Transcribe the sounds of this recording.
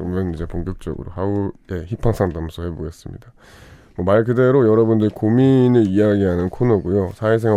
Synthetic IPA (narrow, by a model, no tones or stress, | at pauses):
ɯɾʌmjʌnid͡ʑe̞poŋkjʌk̚t͡ɕ͈ʌɡɯ̰ɾo̰haue̞çipʰaŋsʰamdamsʰʌhe̞boɡe̞s͈ɯmɲḭda | mʌmaɭkɯde̞ɾojʌɾʌbundɯɾikominɯɾijaɡiɦanɯnkʰonʌɡojosʰaes̬ʰeŋ